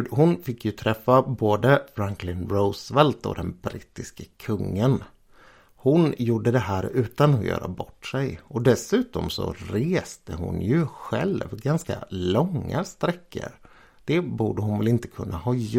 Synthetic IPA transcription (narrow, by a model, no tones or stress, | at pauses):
hʊnfɪkːjɵt̪ʰɾɛfːaboːd̪əfɾaŋklɪnɾoʊsvɛlt̪ɔ̰d̪ɛnbɾɪt̪ːɪskəkʰɵŋːən | hʊnjuːɖəd̪ɛɦæːɾʉ̟ːt̪anɔjœ̰ːɾʔabɔʈːsɛjɔd̪ɛsʉ̟ːt̪ɔmsɔ̰ɾeːst̪əɦʊ̰njɵɧɛ̰lvɡanska̰lɔŋːa̰st̪ɾɛkːə̰ɾ | d̪̥ɛbuːɖəɦʊnvɛlɪnt̪ə̥kʰɵnːʔahɑː